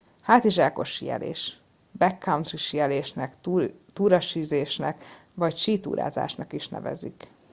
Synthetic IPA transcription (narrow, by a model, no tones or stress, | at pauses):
haːt̪iʒaːko̞ʃijɛ̰lḛːʃ | bɛkːawnt̪riʃijɛleːʃnɛkt̪uːɾɒʃiːzeːʃnɛkʋɒcʃiːt̪ṵːɾʔa̰ːza̰ːʃnɒkiʃnɛ̰vɛ̰zḭk